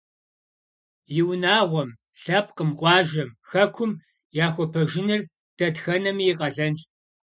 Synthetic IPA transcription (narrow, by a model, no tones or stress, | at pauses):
jɪwnaːʁʷɔm | ɬɐp̚ʰqəmqʷʼɑːʒɐmxɐkʷʰʊm | jaːxʷɔpʰɐʒɪnɨr | d̥ɐdxɐnɐmijqʼɐɮɐnɬ